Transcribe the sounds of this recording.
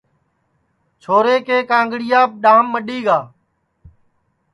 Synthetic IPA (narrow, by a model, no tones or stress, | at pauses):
t͡ʃʰoːɾeːkeːkãːŋɡɽɪjaːp̚ɗãːmːəɗiːɡaː